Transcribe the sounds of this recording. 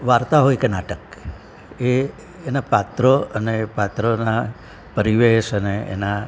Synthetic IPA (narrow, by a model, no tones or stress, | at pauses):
ʋaɾt̪aɦojkenaʈək | eː | napat̪ɾoənepat̪ɾona | pəɾiʋeʃəneḛna